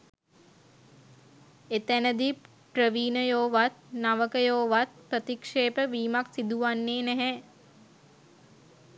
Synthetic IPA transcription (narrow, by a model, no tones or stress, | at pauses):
et̪ænəd̪i | ʈɾəʋiːnəjoːʋat̪̚naʋəkəjoːʋat̪̚pɾət̪ikʂeːpəʋiːmaksid̪uʋanːeːnɛɦɛ